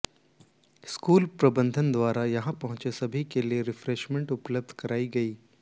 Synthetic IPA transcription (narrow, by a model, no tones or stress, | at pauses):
skuːlpɾɐbə̃nd̪ʱənd̪ʋaːɾajɐɦãpɐɦʊ̃t͡ʃesɐbʱikelieɾɪfɾeːʃmẽɳʈʊpləb̚d̪ʱkɐɾaːiɡɐiː